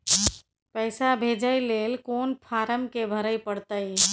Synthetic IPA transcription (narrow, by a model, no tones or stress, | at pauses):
pɛɪsabʱeːd͡ʒəileːlkoːnpʰaːɾəmkebʱəɾəipəɽt̪əi